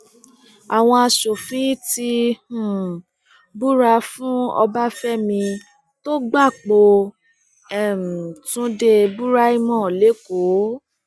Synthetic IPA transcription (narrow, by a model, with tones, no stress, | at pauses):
a˨w̃ɔ̃˧a˧ʃo˨fĩ˨˦ti˧hũ˨ | bu˦ɾa˧fũ˦ɔ̰˧ba˦fɛ˦mĩ˧ | to˦ɡ͡ba˦˨k͡po˧ | ɛ˦˨m̩˨tũ˦de˧bu˦ɾa˦i˦˧mɔ̃˦˨le˨˦ko˨˦